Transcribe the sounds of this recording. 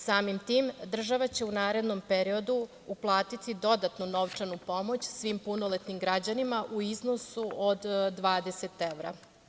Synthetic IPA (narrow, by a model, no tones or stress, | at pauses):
saːmimt̪iːmd̪r̩ʒaʋat͡ɕe̞unaːɾe̞d̪no̞mpeɾio̞d̪u | uplˠaːt̪it̪id̪o̞d̪at̪nuno̞ʋt͡ʂanupo̞mo̞t͡ɕsʋimpunolet̪nimɡɾad͡ʑanimaʔuizno̞suʔod̪d̪ʋaːd̪eset̪eʋɾa̰